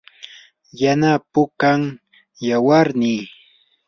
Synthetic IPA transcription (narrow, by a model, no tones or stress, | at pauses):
janapʊkaŋ | jawaɾniː